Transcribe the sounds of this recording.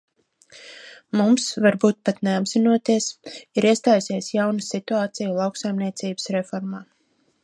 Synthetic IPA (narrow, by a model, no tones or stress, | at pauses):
mumsvaɾbuːt̪̚pat̪neabz̥inuɔt̪iɛsiɾiɛst̪aːjsiɛsjawnɨsit̪uaːt̪sijulˠawksajmniɛt̪siːbə̥sɾefɔɾmaː